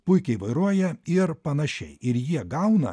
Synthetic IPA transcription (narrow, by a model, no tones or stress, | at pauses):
pʊɪkʲɛɪʋɐɪɾuɔjɛɪɾpɐnɐʃʲɛ̰ɪɪɾjiɛɡɐʊnɐ̰